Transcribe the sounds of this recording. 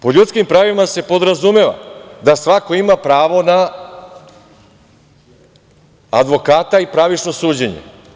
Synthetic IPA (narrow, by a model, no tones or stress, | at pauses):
po̞ʎut̪skimpɾaːʋimase̞po̞d̪ɾazumeʋa̰d̪asʋako̞imapɾaːʋo̞na | d̪ʋo̞kaːt̪aipɾaʋit͡ʃno̞suːd͡ʑe̞ɲḛ